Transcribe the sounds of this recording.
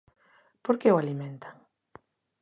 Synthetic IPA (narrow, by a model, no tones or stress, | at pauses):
poɾkeoalimẽnt̪aŋ